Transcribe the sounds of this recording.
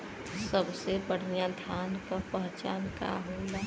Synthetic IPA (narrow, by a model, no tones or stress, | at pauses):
səbsebəɽ̤jad̪ʱjankəpəɦt͡ʃa̰ːnka̰ɦola